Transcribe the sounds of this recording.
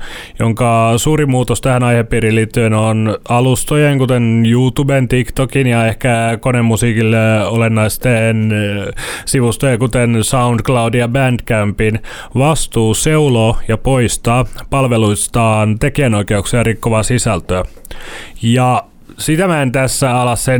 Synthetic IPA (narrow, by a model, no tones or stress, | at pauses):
joŋkɑsuːɾimuːt̪ost̪æhænɑjheppːiːɾilːiːt̪ːyenonɑlust̪ojeŋkut̪enjuːt̪ubent̪ikt̪okinjɑehkækonemːusiːkilːeolenːɑist̪eːn | siʋust̪ojekut̪ensɑund̪klɑudijɑbænd̥̪kæmpin | ʋɑst̪uːseuloːjɑpoist̪ɑːpɑlʋeluist̪ɑːnt̪ekiænoikeuksiɑrikːoʋɑːsisælt̪øæ | jɑ | sit̪æmæent̪æsːæɑlɑsːen